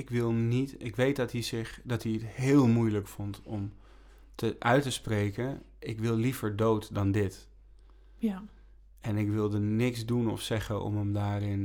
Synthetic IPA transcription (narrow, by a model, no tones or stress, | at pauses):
ɪkʋɪlˠnitɪkʋejt̚dɑtizɪχdɑtiətɦɪːlˠmujləkfɔntɔm | tʰəʔœɥtəsprejkən | ɪkʋɪlˠlivəɹdowtdɑndɪt | ɛnɪkʋɪlˠdənɪksdunɔ̰fsɛχənɔ̰məmdaːrɪn